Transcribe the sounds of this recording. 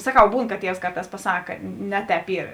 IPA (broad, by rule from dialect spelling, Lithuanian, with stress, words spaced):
sɐˈkɐʊ ˈbuːn kɐ ˈtʲiɛws ˈkɐrˌtɑːs pɐˈsɑːkɐ ˈnʲɛ ˌtʲɛːp ˈiːr